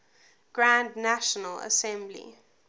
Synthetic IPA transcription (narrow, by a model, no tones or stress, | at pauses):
ɡ̥ɹãndnaʃənələ̰sɛ̃mblḭ